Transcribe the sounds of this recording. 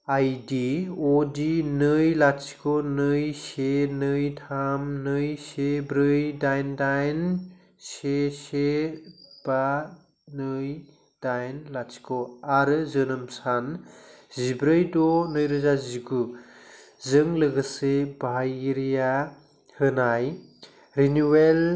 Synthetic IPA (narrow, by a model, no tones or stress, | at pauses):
ajdiodinɯjlat͡ʃʰi̥kʰonɯjsenɯjtʰamnɯjsebɾɯjdajndajn | sese | b̥a | nəj | d̥ajnlat͡ʃʰi̥koaɾɯzənəmsʰan | zibɾəjdonəjɾəzaziɡu | zəŋləɡəsebʱajiɾija | hənaj | ɾinuwel